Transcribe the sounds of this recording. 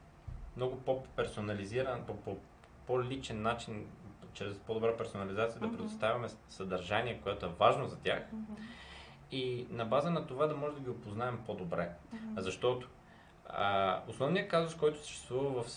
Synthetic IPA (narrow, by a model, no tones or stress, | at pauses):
mnɔɡʊpopɛɾsonɐliziɾənpopo | polʲit͡ʃɛnːat͡ʃint͡ʃɾɛspod̪obɾapɛɾsonɐlʲizat̪sijəd̪ɐpɾɛd̪ʊst̪avʲɐmɛsɐd̪ɐɾʒaniɛkojɛt̪ʊɛvaʒnozɐt̪ʲjax | inɐbazənɐt̪ovad̪ɐmɔʒɛd̪ɐɡʲiopoznaɛmpod̪obɾɛzɐʃt̪ɔt̪ʊ̥ | osnɔvnijəkazʊskɔjt̪ʊ̥sə̥ʃt̪ɛst̪vuvɐvɐf